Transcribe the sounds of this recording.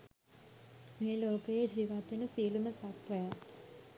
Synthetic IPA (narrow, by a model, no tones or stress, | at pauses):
meːloːkɐjed͡ʒiʋaːt̪inɐsiːlumɐsaːt̪ʋɐja